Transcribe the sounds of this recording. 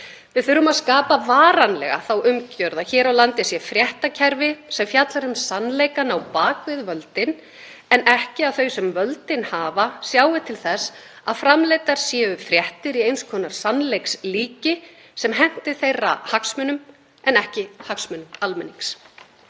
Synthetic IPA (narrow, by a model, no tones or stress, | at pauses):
vɪðθʏɾʏmaðskaːpavaːɾanlɛ̰ɣa̰θawʔʏmcœɾðaçɛːɾawlant̪ɪsjɛfɾjɛht̪acʰɛɾvɪsɛmfjat̪laɾʏmsanːleːjkanawpaːkvɪðvœlt̪ɪn | ɛnɛhcɪaðθœɥsɛmvœlt̪ɪnhaːvasjaːwɪt̪ʰɪlθɛs | a̰ðfɾamlejt̪aɾ̥sjɛːʏfɾjɛht̪ɪɾiejnskʰɔːnaɾ̥sanlejksliːcɪ | sɛmɦɛn̥t̪ɪ̥θejrːa̰haksmʏnʏm | ɛnɛhcɪhaksmʏnʏmalmɛnːiŋks